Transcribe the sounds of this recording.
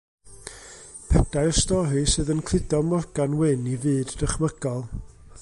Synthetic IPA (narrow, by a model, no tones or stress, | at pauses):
pʰɛd̥aɨɔstɔɾisɨːðənkʰl̥ˠɪdɔmɔrɡ̥anwɪnivɨːddəχməɡ̥ɔlˠ